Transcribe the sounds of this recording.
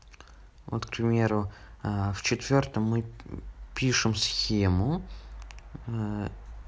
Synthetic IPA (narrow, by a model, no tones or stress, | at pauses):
vo̰t̪k̚pɾʲɪmʲe̞ɾʊ | ft͡ɕɪt̪vʲo̞rt̪əmːɨpʲiʂɨmsxʲemʊ